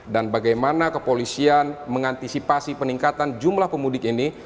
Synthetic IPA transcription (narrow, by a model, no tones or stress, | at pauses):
danbaɡajmanakəpolisianməŋant̪isipasipəniŋkat̪and͡ʒumlahpəmudɪkini